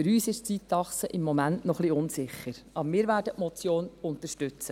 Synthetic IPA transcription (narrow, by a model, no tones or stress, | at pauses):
fʏɾyːsɪʃt͡sitːɑχsəʔɪmːɔmæntnɔχliʊnsɪχːəɾɑbɾmɪːɾʋæːɾdətmɔt͡sjoːnʊnt̪əʃtʉt͡sə